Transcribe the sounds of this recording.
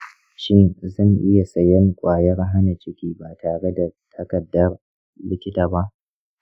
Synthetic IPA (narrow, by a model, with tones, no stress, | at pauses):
ʃɪ˦nzɐ˦˨ŋʔɪ˦ja˨sɐ˨jɐ˦ŋkʷʼaː˨jɐ˦rɦa˦na˨t͡ʃɪ˦kʲiː˦baː˨tʰaː˨ɽe˦da˨tʰɐ˦kɐ˨dːɐ˦r | lɪ˦kʲɪ˦taː˨ba˦ʔ